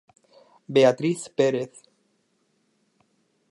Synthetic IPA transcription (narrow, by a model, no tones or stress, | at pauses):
beat̪ɾiθpeɾeθ